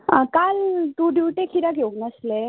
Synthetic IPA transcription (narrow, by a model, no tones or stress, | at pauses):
əkalt̪ũɖuʈekʰiɾaɡeŋəsle